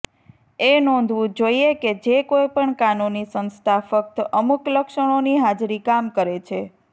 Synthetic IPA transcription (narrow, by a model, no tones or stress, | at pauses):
enɔ̃nd̪ʱʋũd͡ʒoieked͡ʒekojpəɳkanunisənst̪ʰafək̚t̪əmukləkʃəɽ̃oniɦad͡ʒɾikamkəɾet͡ʃʰe